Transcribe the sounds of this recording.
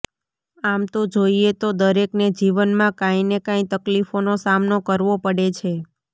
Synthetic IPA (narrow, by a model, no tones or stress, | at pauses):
amt̪od͡ʒoiet̪od̪əɾekned͡ʒiʋənmãkãinekãĩt̪əklifonosamnokəɾʋopəɽet͡ʃʰe